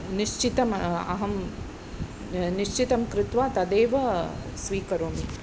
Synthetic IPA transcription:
niʃt͡ʃit̪ɐmɐ̰ɦɐm | niʃt͡ʃit̪ɐmkɾɪt̪ʋaːt̪ɐd̪eːʋɐsʋiːkɐɾoːmi

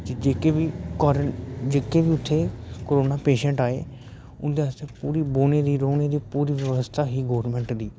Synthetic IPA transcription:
d͡ʒ̪ed͡ʒeːkeːʋiːkɔɾd͡ʒeːkeːʋiːʊt̪ʰːeːkoːɾoːnaːpeːʃə̃ɳʈaːḛː | ʊnd̪eːəst̪eːpuːɾiːboːneːd̪iːɾoːneːd̪iːpuːɾiːʋjəʋəst̪ʰaːɦiːɡoːɾmɛ̃ɳʈd̪iː

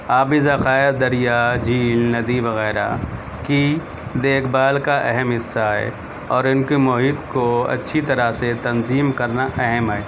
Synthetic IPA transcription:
aːbizɐxaːjed̪ɐɾijad͡ʒiːlnɐd̪iʋɐɣɛːɾa̰ | ki | d̪eːkʰbaːlkaʔɛɦɛmɦɪsːaɦɛ̰ː | ɔːɾɪnkimʊɦiːd̪koɐ̰tːʃʰit̪ɐɾaset̪ɐnziːmkɐɾnaʔɛɦɛmɦɛɛː

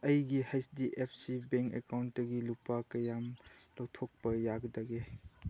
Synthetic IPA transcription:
ɐjɡihajsdiʔepʰsibeŋkḛkawntːɐɡilupakɐjamlɔwtʰok̚bɐjaɡdɐɡe

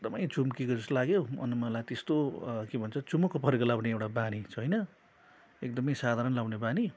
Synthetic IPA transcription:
ek̚d̪ʌmʌjt͡sumkikod͡zʌslaɡjoʌ̰nmʌlajt̪est̪okebʱʌnt͡sʰʌt͡sumukopʌɾikolawneewʈabanit͡sʰʌɦʌjnʌ | ekd̪ʌmʌjsad̪ʱaɾʌnlawnebani

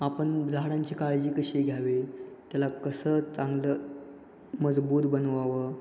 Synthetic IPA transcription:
apəɳd͡zʱaɽãɲt͡ɕikaɭd͡ʑiːkəɕeɡʱjaʋet̪jalakəsəːt͡sãŋɡləː | məd͡zbuːt̪bənʋaʋə

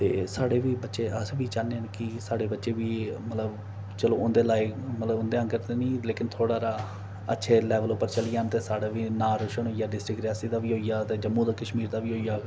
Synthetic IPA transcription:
t̪ḛːsaːɽeːʋiːbətːʃeːəsʋiːt͡ʃaːneːənkɪsaːɽeːbətːʃeːʋiːmət̪ləb | t͡ʃəloːʊnd̪eːlaːɪkmət̪ləbʊnd̪eːãŋɡəɾt̪eːnĩːleːkɪnt̪ʰoːɽaːɾaː | ə̰tːʃʰeːlɛːʋəlʊpːəɾt͡ʃəlɪjaːnt̪eːsaːɽaːʋiːnaːɾʊʃəɳɦoːijaːɖɪsʈɾɪkɾɪjaːsiːd̪aːʋiːɦoːijaːt̪eːd͡ʒəmːũːd̪aːkəʃmiːɾd̪aːʋiːɦoːiːaː

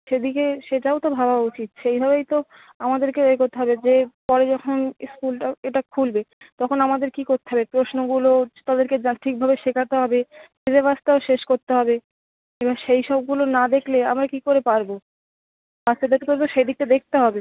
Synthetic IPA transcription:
ʃed̪ikeʃeʈaot̪obʱabʱaut͡ɕit̪̚ʃejbʱaβejt̪o | amad̪eɾkeoeɡot̪eɦɔbed͡ʑepɔɾed͡ʑɔkʰonskulʈaeʈakʰulbe | t̪ɔkʰonamad̪eɾkikoɾt̪e̥ɦɔbepɾosnoɡulot̪ad̪eɾked͡ʑaʈʰik̚bʱabeʃekʰat̪eɦɔbemed͡ʑebast̪aoʃeʃkoɾt̪eɦɔbe | ebaʃejʃɔb̚ɡulonad̪ekʰlea̰mɾakikoɾepaɾbo | bast̪ed̪ekk̪oɾet̪oʃejd̪ik̚ʈed̪ek̚ʰt̪eɦɔbe

